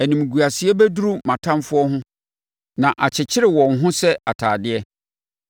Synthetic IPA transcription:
æ˨nĩ˨m˨ɡu˨a˨sɪ˨ɛ˦bæ˦du˦ɾu˦mã˨tʰã˦mfʊ˦ɔ˦ɦʊ̃˦ | nã˨ʔa˨t͡ɕʰɪ˨t͡ɕʰɪ˦ɾɪ˨wɔ̃˨nɦʊ̃˦sɛ˦a˨tʰaː˨dɪ˦ɛ˦

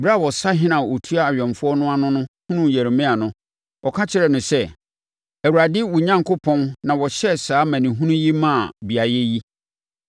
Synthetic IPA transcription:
bɾa˦˨wɔ˨sa˦ɦɪ̃˦nã˨wo˨tʰu˦a˦˨ɥᶣɔ̃˨mfʊ˦ɔ˦nʊ̃˦a˦nʊ̃˦nʊ̃˦hũ˦nũ˦˨jæ˨ɾmɪ̃˦a˨nʊ̃˦ | ɔ˨kʰã˦t͡ɕʰɪ˦ɾɛ˨nʊ̃˨sɛ˦ | æ˨wu˨a˨dɪ˦wu˨ɲã˦ŋkʰo˦pʰɔ̃˦nnã˨wɔ˨ɕɛ˦saː˨˦mæ̃˨nĩ˨ɦũ˦nũ˦ji˦mã˦˨bi˨a˨jɛ˦ji˦

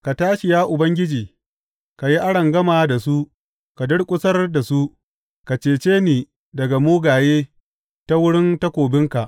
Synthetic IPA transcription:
ka˨taː˦ʃɪ˨jaː˦ʔʊ˨bɐ˦ŋɡʲɪ˦d͡ʒiː˨ | ka˨ji˦ʔa˦ɽɐ˨ŋɡɐ˦maː˨da˨su˦ʔ | ka˨dʊ˦ɽkʷʼʊ˦sɐ˦rda˨su˦ʔ | ka˨t͡ʃeː˨t͡ʃeː˦niː˨ | dɐ˨ɡa˨muː˦ɡaː˨jeː˦ | ta˦wʊ˦ɽɪ˦nta˦kʷoː˨bɪ˦ŋka˨ʔ

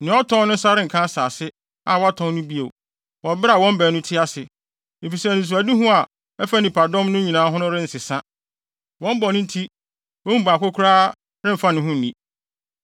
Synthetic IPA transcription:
nɪ̃˨˦ɔ˦tʰɔ̃˦nʊ̃˦n̩˦sa˦ɾɪ̃˦ŋ̩˨kʰã˦saː˨sɪ˦ | a˨wɔ˦a˦tʰɔ̃˦nʊ̃˦bi˦o̰˨ | wɔ˨bɪ˦ɾa˨wɔ̃˦m˦bɛ˨˦nʊ̃˦tʰɪ˦a˦sɪ˨ | e˨fi˨sɛ˦˨nĩ˨s̬u˨a˨di˦ɦʊ̃˦a˨ | ɛ˦fa˦nĩ˨pa˨dɔ̃˦mnʊ̃˦ɲĩ˨nãː˨˦ɦʊ̃˦nʊ̃˦ɾɪ̃˦n̩˨sɪ˨sã˦ | wɔ̃˦m˦bɔ˨nʊ̃˦n̩˦tʰi˦ | wɔ̃˦m̩˦˨ba˨kʊ˦kʰʊ˦ɾaː˦ | ɾɪ̃˦m˨fa˦nɪ̃˦ɦʊ̃˦n̩˨nĩ˨

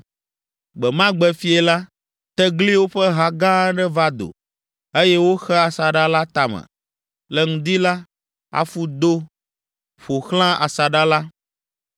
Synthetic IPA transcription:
ɡ͡bɛ˨mã˦ɡ͡bɛ˦fi˦ɛ˨la˦ | t̪ɛ˦ɡli˦wo˦ɸɛ˦ɦa˦ɡã˦ɖɛ˦va˦d̪o̰˨ | e˦jɛ˦wo˦xɛ˦a˨sa˨ɖa˦la˦t̪a˨mɛ̰̃˨ | lɛ˦ŋũ˨d̪i˦la˦ | a̰˦fu˦d̪o˦ | ɸo˨xl̃ã˦ʔa̰˨sa˨ɖa˦la˦

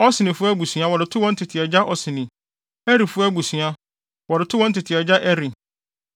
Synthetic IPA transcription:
ɔ˦sɪ˨nɪ̃˨fʊ˦æ˦ɡu˨sɥa˦wɔ˨ɾɪ˨tʰʊ˦wɔ̃˦n̩˦tʰɪ˨tʰɪ˨ɛ˨d͡ʑa˦ʔɔ˨sɪ˨nĩ˨ | ɛ˦ɾi˨fʊ˦æ˦ɡu˨si˨a˦ | wɔ˨ɾɪ˨tʰʊ˦wɔ˦n̩˦tʰɪ˨tʰɪ˨ɛ˨d͡ʑa˦ʔɛ˦ɾi˨

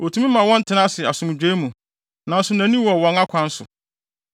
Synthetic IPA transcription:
ʔo˨tʰũ˦mĩ˦mã˨wɔ̃˦n̩˦tʰɪ˨nã˦sɪ˨a˨sʊ̃˨m̃˨d͡ʑᶣe˦mũ˨ | nã˨n̩˦sʊ˨næ̃˨nĩ˦wɔ˨wɔ̃˨ŋa˦kʷʰã˨˦n̩˦sʊ̰˨

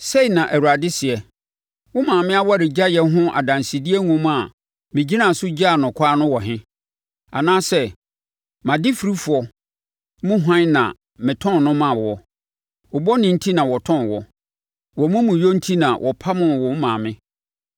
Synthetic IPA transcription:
se˦i˨nã˨ʔæ˨wu˨ɾa˨dɪ˦sɪ˨ɛ˨ | wʊ̃˦mãː˨mɪ̃˦a˦wa˦ɾɪ˨d͡ʑa˦jɛ˦ɦʊ̃˦ʔa̰˨dã˨nsi˨di˦ɛ˦ŋũ˦m˦a˨ | mɪ̃˨d͡ʑi˦nã˦˨sʊ˦d͡ʑa˦˨nʊ̃˨kʷʰaː˦nʊ̃˦wɔ˨ɦɪ̃˦ | a̰˨nãː˦sɛ˦ | mã˨dɪ˦fi˨ɾi˦fu˨ɔ˨ | mũ˦ɦã˦nã̰˨ | mɪ̃˨tʰɔ̃˦n˨nʊ̃˦mã˨wɔ˨ | wɔ˨bɔ˦nɪ̃˨n̩˦tʰi˦nã˨wɔ˨tʰɔ̃˦˨nwɔ˨˦ | wɔ˨mũ˦mũ˨jo˦n̩˦tʰi˦nã̰˨wʔɔ˨pʰa˦mʊ̃˨wɔ˨˦mãː˨mɪ̃˦

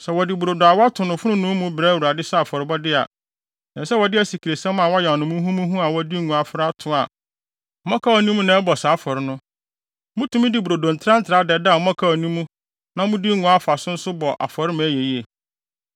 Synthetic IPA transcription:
sɛ˨wɔ˨dɪ˨bu˨ɾo˨dɔ˨a˨wɔ˦a˦tʰʊ˨nʊ̃˨fʊ˦ɾʊ̃˦nʊ̃˦mũ˦bɾɛː˦wu˨ɾa˨dɪ˦sa˦˨fɔ˨ɾɪ˦bɔ˦dɪ˦a̰˨ | nã˨˦sɛ˦wɔ˨dɪ˦æ˦si˨kʰi˨ɾe˨sɛ̃˦mã˨wɔ˦jɛ˨ɔ˨nʊ̃˨mũ˦ɦũ˦mũ˦ɦũ˦a˨wɔ˦di˦ŋũ˨a˨fɾa˦tʰʊ̃˦a˨ | ɔ˦mã˦kʰa˦ɔ˨nĩ˦mũ˦nã˨˦ɛ˦bɔ˨saː˨˦fɔ˨ɾɪ˦nʊ̃˦ | mʊ̃˦tʰũ˦mĩ˦dɪ˨˦bu˨ɾo˨dõ˨n̩˨tʰɾã˦n̩˦tʰɪɾa˨˦dɛ˨da˦a˨ɔ˦mã˦kʰa˦ɔ˨nĩ˦mũ˦ | nã˦mʊ̃˦di˦ŋʊ̃˨a˦fa˨sʊ̃˦n̩˦sʊ˦bɔ˨ʔa̰˨fɔ˨ɾɪ˦m̃˨æ˦je˨ji˦e˨

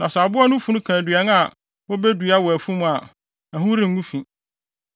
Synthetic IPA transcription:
nã˨sa˨bʊ˦a˦nʊ̃˦fũ˦nʊ̃˦kʰãː˨dɥɛ˨˦n˦a˨ | wɔ˦be˦du˨˦a˦wɔ˨æ˨fũ˦m̃˨a˨ | nã˨ɦʊ̃˦ɾĩ˦˨ŋː˦ũ˦fĩ˨

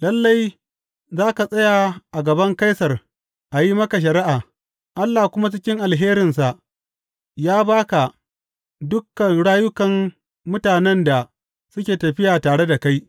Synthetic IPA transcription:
lɐ˦lːa˦j | zaː˦ka˨sʼɐ˦ja˨ʔa˨ɡɐ˨bɐ˦ŋka˦jsɐ˨r | ʔa˨ji˦mɐ˦ka˨ʃ̬ɐ˨ɾɪ˦ʔaː˨ | ʔa˦lːaː˨kʷʊ˦ma˦t͡ʃɪ˦kʲɪ˦ŋʔa˨lɦeː˦ɾɪ˨ns̬a˨ʔ | jaː˦baː˦ka˨ | dʊ˦kːɐ˨nɽaː˦jʊ˦kɐ˨m | mʊ˦taː˨nɛ˦nda˨ | sʊ˦kʲeː˨tɐ˨ɸɪ˦jaː˨taː˨ɽe˦da˨ka˦j

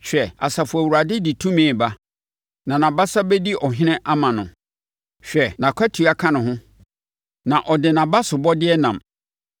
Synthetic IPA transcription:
ɕᶣɛ˨a̰˨sa˨fʊ˨æ˨wu˨ɾa˨dɪ˦di˨tʰũ˦mĩ˨ba˦ | nã˨nã˨ba˦sa˦bɛ˦di˦ʔɔ˨ɦɪ̃˦nɪ̃˦ʔa˦mã˨nʊ̃˨ | ɕᶣɛ˨nã˨kʷʰa˦tʰu˨a˨kʰã˦nʊ̃˨ɦʊ̃˦ | nã˨ʔɔ˨dɪ˨nã˨ba˦sʊ˨bɔ˦dɪ˦ɛ˦nã˨m

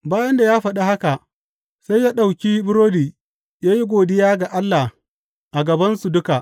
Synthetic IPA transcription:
baː˦jɐ˦nda˨jaː˦ɸɐ˨ɗa˦ha˦ka˨ʔ | sa˦jːaː˦ɗa˨wkʲiː˦bʊ˦ɾoː˦diː˨ | jaː˦ji˦ɡʷoː˨dɪ˦jaː˦ɡa˨ʔa˦lːa˨h | ʔa˨ɡɐ˨bɐ˦nsu˨dʊ˦ka˨ʔ

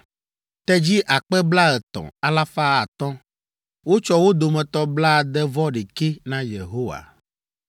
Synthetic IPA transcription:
t̪ɛ˦d͡ʑi˦ʔa˨k͡pɛ˦bla˦ɛ˨t̪ɔ̰̃˨a˨la˦fa˦a˨t̪ɔ̃˦ | wo˦t͡ʃɔ˦wo˦d̪o˨mɛ̃˨t̪ɔ˦bla˦˨d̪ɛ˦vɔ˦ɖe˨ke˦nã˦je˨ɦo˦wa̰˨

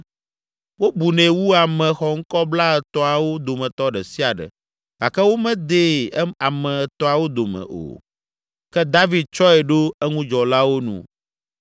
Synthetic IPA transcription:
wo˦bu˨nɛ̃˨wu˦a˨mɛ̃˨xɔ˨ŋ̩˦kɔ˦bla˦ɛ˨t̪ɔ˦a˨wo˦d̪o˨mɛ̃˨t̪ɔ˦ɖɛ˨si˦a˨ɖɛ̰˨ | ɡ̥a˨kɛ˦wo˦mɛ̃˦d̪e˦˨˦a˨mɛ̃˨ɛ˨t̪ɔ̃˦a˨wo˦d̪o˨mɛ̰̃˨ʔo̰˨ | kɛ˦d̪a˦vi˦d̪̚t͡ʃɔ˦ɛ˨ɖo˦ɛ˦ŋũ˦d͡ʒɔ˨la˦wo˦nṵ̃˨

